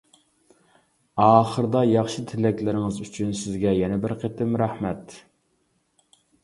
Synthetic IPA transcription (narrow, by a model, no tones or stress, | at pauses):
ɑːχəɾd̪ɑjɑχʃɪt̪ʰɪlɛkʲlɪɾɪŋɨzyt͡ʃʰynsɪzɡʲɛjɛnɛbɪɾqʰet̪ɪmɾæhmɛt̪